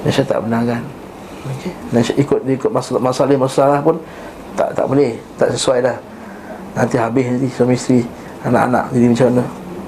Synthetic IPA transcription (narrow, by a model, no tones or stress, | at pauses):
nasat̪a̰ʔbənakan | okenasaʔikʊt̪̚diikʊt̪̚masmasalɪhmasasalahpʊn | t̪a̰ʔt̪a̰ʔbolɛht̪a̰ʔsəsuajlah | nant̪iɦabɪsat̪isamist̪ɾi | ana̰ʔa̰nã̰ʔdiɾimat͡ʃanə